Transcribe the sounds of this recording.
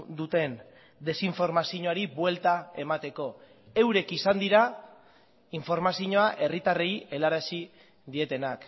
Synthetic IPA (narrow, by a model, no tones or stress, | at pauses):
d̪ut̪e̞n | d̪e̞siɱfo̞ɾmasiɲoaɾiβwe̞lt̪ae̞mat̪e̞ko̞ | e̞wɾe̞kisand̪iɾa | iɱfo̞ɾmasiɲo̞aʔe̞rit̪are̞je̞laɾesi | d̪ie̞t̪e̞nak